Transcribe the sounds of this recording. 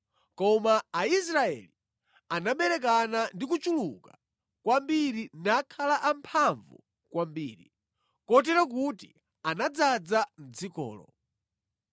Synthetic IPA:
kɔmaais̬ɾaɛ̰li | anaɓɛɾɛk̬anandik̬ut͡ʃuluka | kwambiɾinakʰalaʔampʰaɱvu | kwambiːɾḭ | kɔt̬ɛɾak̬uti | anad͡zad͡zan̩d͡zikɔ̰ːlɔ̰

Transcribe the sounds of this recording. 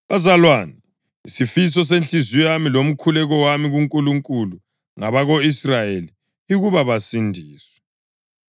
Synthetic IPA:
βazalwani | ḭsifis̬ɔs̬ent͡ɬʼizujamilom̩kʰulɛɣɔwamiɣuŋkʼuluŋkʼulu | ŋaβaɣoisrajeli | iɣuβaβasindʱiːswɛ̥

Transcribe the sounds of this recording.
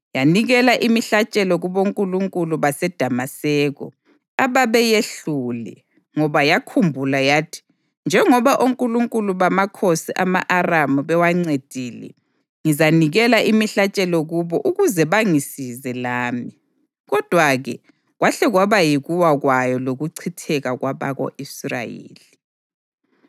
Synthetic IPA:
janiɣɛlaʔimiɬat͡ʃʼɛlɔɣuβoŋkʼuluŋkʼuluβasɛd̥ʱamasɛːɣɔ̰ | aβaβɛjeɬulɛ̰ | ŋɔβajakʰumbʱulajaːtʰi̥ | nd͡ʒʱɛŋɔβaʔoŋkʼuluŋkʼuluβamakʰosiʔamaʔaramuβɛwaŋ͡ǀed̥ʱiːlɛ̰ | ŋizaniɣɛlaʔimiɬat͡ʃʼɛlɔɣuβɔʔuɣuzɛβaŋisizɛlaːmi | ɣɔd̥ʱwaɣɛ | ɣwaɬɛɣwaβajiɣuwaɣwajɔloɣuǀʰitʰɛɣaɣwaβa̰ɣo̰ʔisra̰jḛːli

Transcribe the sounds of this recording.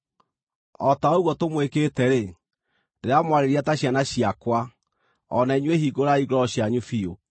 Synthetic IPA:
ɔtaoɣwɔtomwekeːtɛɾe | ndeɾamwaɾeɾiataɕianaɕiakwa | ɔnaiɲwehiɡoɾaiɡɾɔɔɕjaɲufio

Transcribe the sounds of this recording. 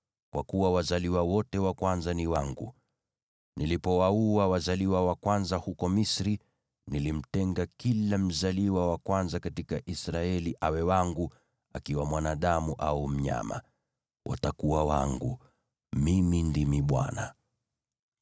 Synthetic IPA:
kwakuwawazaliwawɔtɛwakwanzaniwaŋɡṵ | nilipɔwauawazaliwawakwanzahukɔmisɾi | nilim̩tɛŋɡakilam̩zaliwawakwanzakatikaʔisɾaɛliʔawɛwaŋɡu | akiwamwanaɗamuʔaum̩ɲa̰ma̰ | wʔa̰takuwawa̰ŋɡṵ | mimindimiɓwa̰na

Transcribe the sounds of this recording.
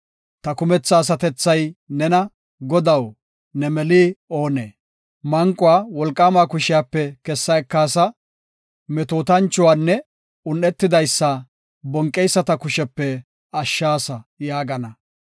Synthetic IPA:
t̪ɐkʊmɛt͡sːɐːs̬ɐt̪ɛt͡sːɐjnɛnɐ | ɡɔd̪ɐw | nɛmɛliːoːneː | mɐŋkʼːʊwaːwɔlkʼːaːmaːkʊʃɪjapːɛkɛsːɐɛkːaːsɐ | mɛt̪oːt̪ɐnt͡ʃːʊwaːnːɛ | ʊnːɛt̪ːɪd̪ɐjsːɐ | bɔŋkʼːɛjsːɐt̪ɐkʊʃɛpːɛ | ɐʃːaːsɐjaːɡɐnɐ

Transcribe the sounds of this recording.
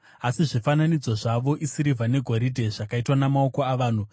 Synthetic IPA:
asiʐifananid͡zo̞ʐaʋo̞ʔisiɾivʱane̞ɡʱoɾidʱe̞ʐakaitwanamao̞ko̞aʋaːn̤u

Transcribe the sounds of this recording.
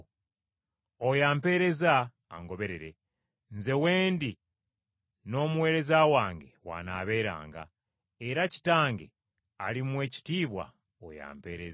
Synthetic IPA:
ojaːmpe̞ːɾe̞za̰ː | ŋɡo̞βe̞ɾeɾe̞ | nze̞we̞ːndi | no̞ːmuwe̞ːɾe̞zawaːŋɡḛwa̰naːβe̞ːɾa̰ːŋɡa̰ | eɾaci̥taːŋɡḛ | alimwe̞ːci̥tiːβwa̰ | o̰ja̰ːmpe̞̰ːɾez

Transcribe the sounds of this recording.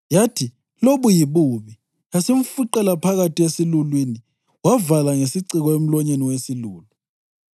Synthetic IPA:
jatʰi | loβujiβuβi | jasiɱ̩fuǃɛlapʰaɣatʰiesilulwini | wavalaŋesiǀiɣɔem̩lɔɲeniwesiluːlu

